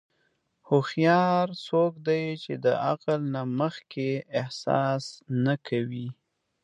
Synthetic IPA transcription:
hʊxjɑɾsokd̪ajt͡ʃed̪əaqalnaməxkeɪhsɑ̰snakʰawi

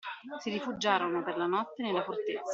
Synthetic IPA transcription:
siɾifud͡ʒːaːɾonoperlanɔt̪ːenelːafort̪et̪sːa

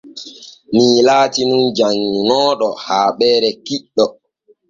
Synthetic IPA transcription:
miːlaːtinund͡ʒaŋːunɔːɗɔhaːɓɛːɾɛkiɗːɔ

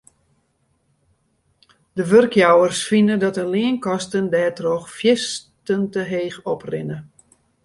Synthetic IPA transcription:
dəʋørkʰjawərsfinədɔtəlɪənkɔstəndɛːtroxfjɪstəntəɦeːxɔprɪnə

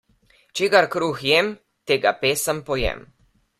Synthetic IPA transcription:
t͡ʃeːɡaɾkɾuxjɛm | t̪eːɡa̰peːsəmpɔjɛ̰m

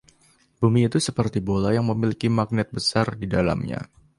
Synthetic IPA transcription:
bumiːt̪usəpərt̪ibolajaŋməmilikimak̚nɪt̪̚bəsardidala̰mɲa̰

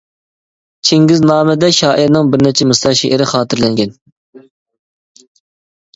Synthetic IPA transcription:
t͡ʃʰeŋɡʲiznɑːmɪd̪ɛʃɑːʔiɾnɨŋbɪɾnɪt͡ʃʰɛmɨsɑʃeʔɪɾɪχɑːt̪ʰɨɾlɛŋɡʲɛn

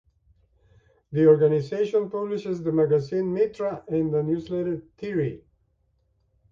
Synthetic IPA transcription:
ðiɔɹɡanizeʃɔ̃npʌblɪʃɪzðəmæɡæzĩnmitʰɹaʔɛ̃nðənjuzlɛɾə˞θʰiɹi

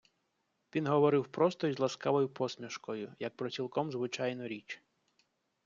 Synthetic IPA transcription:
ʋʲinɦɔʋɔɾɪwpɾɔst̪ɔjzlˠɐskɑʋɔjʊpʰɔsmʲiʃkɔjʊjɐk̚pɾɔt͡sʲilˠkɔmzʋɪt͡ʃɑjnɔɾʲit͡ʃ

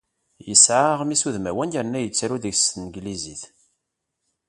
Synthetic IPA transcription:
jəsʕaʁmisuðmæwænjəɾnːæjət͡sːɾuðəʝsənɡliziθ

